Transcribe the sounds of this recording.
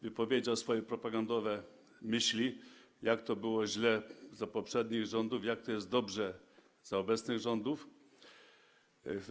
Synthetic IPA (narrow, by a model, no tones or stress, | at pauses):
vɘpɔvʲjed͡ʑawsfɔjɛpɾɔpaɡand̪ɔvɛ | mɘɕlʲi | jakt̪ɔbɘwɔʑlɛzapɔpʂɛd̪ɲiɣʐɔnd̪ufjak̚t̪ɔjɛst̪̚d̪ɔbʐɛ | zaɔbɛt̪snɘɣʐɔnd̪uf